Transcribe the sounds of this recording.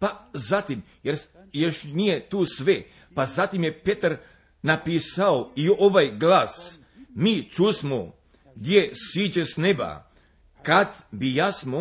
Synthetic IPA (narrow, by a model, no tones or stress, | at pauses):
pazat̪im | jeɾjeʃnijet̪uːsʋe | pazat̪imje̞pe̞t̪aɾ | napiːsaoioʋajɡlaːs | miːt͡ʃusmo | ɡd̪ʲjesiːd͡ʑesne̞ba̰ | kad̪bijasmo